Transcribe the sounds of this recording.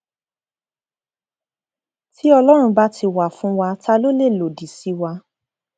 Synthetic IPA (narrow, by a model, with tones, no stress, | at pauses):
tʰi˦ɔ˧lɔ˦ɾ̃ũ˧ba˦ti˧wa˨fũ˨˦wa˧tʰa˧lo˦le˦˨lo˨di˨si˨˦wa˧